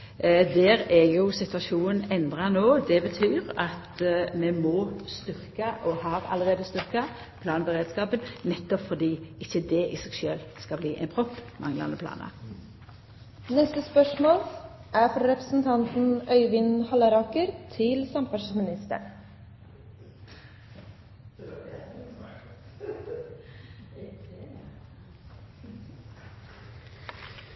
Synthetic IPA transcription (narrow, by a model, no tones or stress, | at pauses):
d̪ɛːɾɛjʊsɪt̪ʉɑʃuːnənɛnd̪ʁɑnoːd̪ɛbət̪ʰyːɾɑt̪mɛmɔːst̪ʏʁkɑʔɔhɑːɾɑ̰lːəʁeːd̪əst̪ʏɾkɑ | pʰlɑːnəbəʁeːd̪skɑːpənnɛt̪ːɔpfɔd̪iːɪçːəd̪ɛʔɪsɛɡʃøːlskɑbliːʔɛ̰ɪnpʰʁɔpːmɑ̰ŋlɑ̰nəpʰlɑ̰ːnə̰ | nɛst̪əspœʂmoːl | ʔæːɾfɾɔɾɛpɾəsn̩t̪ʰɑnt̪n̩œʏʋɪnhɑləɾɑkəɾt̪ʰɪlsɑmpɑʂmɪnɪst̪ə̰ɳ